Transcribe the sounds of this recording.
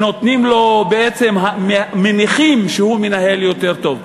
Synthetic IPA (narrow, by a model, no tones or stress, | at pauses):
no̞t̪nimlo̞beet͡se̞mɦammeniχimʃehumenaɦe̞ljo̞t̪e̞ʁt̪o̞v